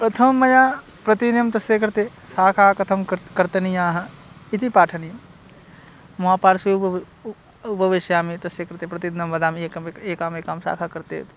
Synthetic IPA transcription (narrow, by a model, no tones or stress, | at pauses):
pɾɐt̪ʰɐmmːɐjaː | pɾɐt̪injɐmt̪ɐsjekɐɾt̪eː | saːkʰaːkɐt̪ʰɐmkɐɾt̪ɐnijãːɦɐɪt̪ʰipaːʈʰɐnijɐm | maːpaːɾsi | ʊpɐʋɪʃjaːmit̪ɐsekɐɾt̪eːpɾɐt̪id̪nɐmʋɐd̪aːmeːkɐeːkaːmeːkaːmsa̰ːkʰakɐɾt̪eːt̪